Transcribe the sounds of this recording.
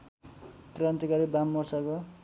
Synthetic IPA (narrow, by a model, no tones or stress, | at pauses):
krant̪ikaɾibamːʌrsako